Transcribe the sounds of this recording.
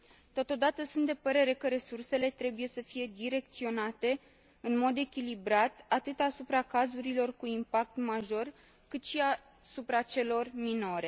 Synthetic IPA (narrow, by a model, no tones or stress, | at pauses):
t̪o̞t̪o̞d̪at̪əsunt̪d̪epəɾe̞ɾe̞kəɾe̞surse̞le̞t̪ɾe̞buje̞səfije̞d̪iɾe̞k̚t̪sio̞nat̪e̞ | ɨnmo̞d̪e̞kʲilibɾat̪at̪ɨt̪asupɾakazuɾilo̞rkuimpak̚t̪maʒo̞r | kɨt̪ʃia | supɾat͡ʃe̞lo̞rmino̞ɾe̞